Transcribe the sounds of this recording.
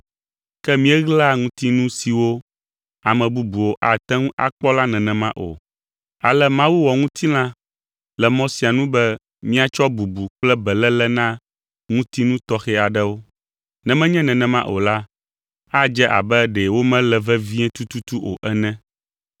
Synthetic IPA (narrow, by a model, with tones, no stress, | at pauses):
kɛ˦mĩ˦ɛ˦ɣla˦ŋũ˦t̪i˦nũ˦si˨wo˦ | a˨mɛ̃˨bu˦bu˨wo˦ʔa˨t̪ɛ̃˦ŋũ˦ʔa̰˨k͡pɔ˦la˦nɛ̃˨nɛ̃˨mã˦ʔo̰˨ | a̰˨lɛ˦mã˦wu˦wɔ˨ŋũ˦t̪ʰi˦lã˦ | lɛ˨mɔ̃˦si˨a˨nũ˦bɛ˦ | mĩ˦a˨t͡ʃɔ˦bu˨bu˨k͡plɛ˦bɛ˨lɛ˦lɛ˦nã˦ | ŋũ˦t̪i˦nũ˦t̪ɔ˦xɛ˦a˨ɖɛ˦wo˦ | nɛ̃˨mɛ̃˦ɲɛ̃˦nɛ̃˨nɛ̃˨mã̰˦ʔo̰˨la˦ | a˦d͡ʒɛ˦ʔa̰˨bɛ˦ɖɛ˨wo˦mɛ̃˦lɛ˨vɛ˦vĩ˦ɛ̃˦t̪u˦t̪u˦t̪u˦ʔo˨ʔɛ˦nɛ̃˦